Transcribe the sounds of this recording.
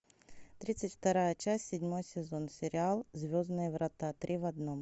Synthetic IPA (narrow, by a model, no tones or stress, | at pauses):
t̪ɾʲit̪sɨtʲft̪ɐɾajət͡ɕasʲːɪdʲmo̞jsʲɪzo̞nsʲɪɾʲɪalˠzʲvʲoznɨjəvɾɐt̪at̪ɾʲʔivɐd̪nom